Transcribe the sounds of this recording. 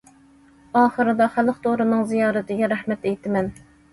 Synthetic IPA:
ɑːχəɾɨd̪ɑχælˠəqt̪ʰoʁɾɨnɨŋzijɑːɾɪt̪ʰɪɡʲɛɾæχmɛt̪ɛjt̪ʰɪmɛn

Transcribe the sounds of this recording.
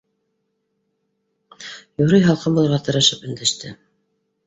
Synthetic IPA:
juɾɤjɦɑlˠqɤmbulˠɤ̆ɾʁɑt̪ɤ̆ɾɤ̆ʃɤpɵ̆nd̪æʃt̪ʰɘ

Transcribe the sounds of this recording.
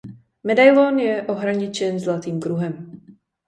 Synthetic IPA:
mɛdajlonjɛʔoɦɾaɲɪt͡ʃɛnzlat̪iːmkɾuɦɛm

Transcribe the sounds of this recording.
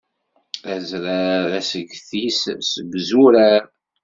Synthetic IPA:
æzɾæðæsəɡθissəbzuɾæɾ

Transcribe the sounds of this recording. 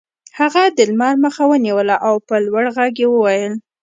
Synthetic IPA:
haɣad̪əlmɑɾməxawəniwəlaʔawpəlwaɽɣaɡjewəwajəl

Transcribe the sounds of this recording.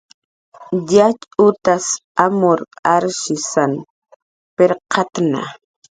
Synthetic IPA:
jat͡ʃʊt̪asamʊɾaɾʃɪsan | peɾqʰɑt̪na̰

